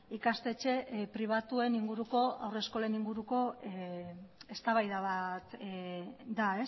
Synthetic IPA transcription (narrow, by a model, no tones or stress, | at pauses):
ikast̪e̞t͡ʃe̞pɾiβ̞at̪ue̞niŋɡuɾuko̞awre̞sko̞leniŋɡuɾuko̞ | est̪aβajðaβat̪ | d̪ae̞s